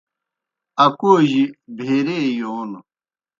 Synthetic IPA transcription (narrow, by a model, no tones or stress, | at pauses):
ɐkoːʑibʱeɾeːjoːn